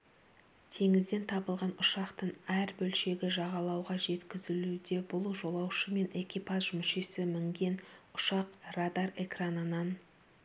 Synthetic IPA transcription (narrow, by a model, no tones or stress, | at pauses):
t̪ʰe̞ŋɪzd̪e̞nt̪ʰɑbəlˠʁɑnʊʃɑqt̪əɴæɾbɵlʃe̞ɡʲɪʒɑʁɑlˠɑwʁɑʒe̞t̪kʲɪzɪlud̪e̞bʊlˠʒo̞lˠɑwʃəme̞ne̞kʲipazʒmʏʃe̞sɪmɪŋɡʲe̞nʊ̥ʃɑqrad̪are̞kranənɑn